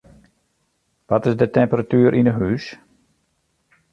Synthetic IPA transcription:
ʋɔtɪsdətɛmpəratyːəɾʔinəɦys

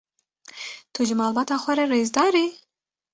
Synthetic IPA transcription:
t̪ʰuʒɪmɑːlbɑːt̪ɑːxʷɛɾɛɾeːzd̪ɑːɾi

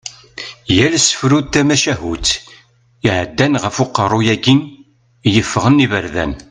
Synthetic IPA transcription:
jælsə̥fɾuð̚t̪æmæʃæɦut̪ | iʕəd̪ːænʁəfʊqəɾˤːʊjæɡin | jəfːʁənːivəɾðæ̰n

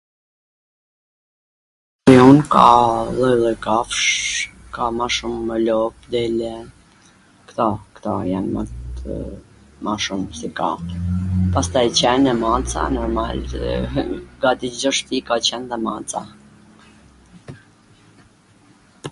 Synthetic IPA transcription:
pijunkalˠɔjlˠɛkafʃkamaʃuməlɔp̚d̪ɛlɛ | kt̪ɔkt̪ɔjanma̰ | maʃumsɛka̰ | past̪ajt͡ɕɛnɛmat͡sa̰nɔɾma̰l | ɡat̪id͡ʒɔʃt̪ikat͡ɕɛnðɛmat͡sa̰

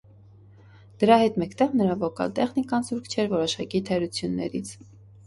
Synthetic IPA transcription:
d̪̥əɾɑhɛt̪mɛkt̪ɛʁnəɾɑvɔkɑ̰lt̪ɛχnikɑnzuɾkʰt͡ʃʰɛɾvɔɾɔʃɑkit̪ʰɛɾut͡sʰjunːɛ̰ɾḭt͡sʰ

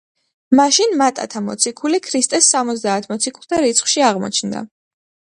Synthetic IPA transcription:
maʃinmat̪ʼa̰t̪ʰamɔ̰t̪sʰikʰulikʰɾist̪ʼɛsːamɔt̪zd̪aːt̪ʰmɔt̪sʰikʰulˠt̪ʰaɾit̪sʰχʃiaʁmɔ̰t͡ʃʰnd̪a̰

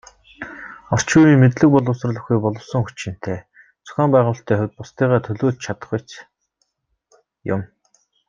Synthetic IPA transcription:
ɔr̥t͡ɕuːjiːŋmet̪ɮɘ̆k̚pɔɮʊ̆ws̆r̆ɮə̆xujpɔɮɞ̆wsə̆ŋxut͡ɕɪ̆n̥t̪ʰeː | t͡sʊ̥xʲaːmpæːʁʊːɬt̪ʰæːxʊwʲt̪̚pʊst̪iːʁaːt̪ʰɵɮoːɮt͡ɕt͡ɕʰat̪ə̥̆χujt͡ɕ | jʊ̰m

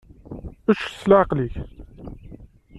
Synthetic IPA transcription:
əʃslʕqliç

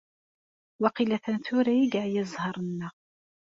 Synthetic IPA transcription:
wɑqilæθənθʊɾæjiɡaʕjəzˤhɑɾˤənːəʁ

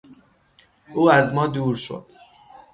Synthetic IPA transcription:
ʔuːæzmɒːd̪uːɾʃo̞̰d̪̥

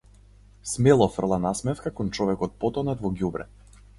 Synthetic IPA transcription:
smɛlˠɔfr̩lˠanasmɛfkakɔnt͡ʃɔvɛkɔt̪̚pɔt̪ɔnɛt̪vɔɡʲjubɾɛ̰

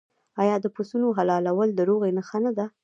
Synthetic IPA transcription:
ɑjɑd̪əposunoɦalɑlawəld̪əɾoɣenaxanad̪a

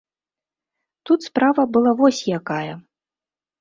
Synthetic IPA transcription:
t̪ut̪spɾavɐbɨlˠavɔsʲjakajɐ

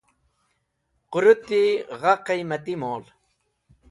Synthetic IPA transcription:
qʊɾʊt̪iʁɑqejmat̪ɪmoːl

